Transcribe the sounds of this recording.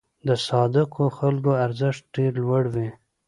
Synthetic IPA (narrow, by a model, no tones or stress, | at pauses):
d̪əsɑd̪ɪkʰoxalɡoaɾzɪʂt̪̚ɖeɾlwaɽwi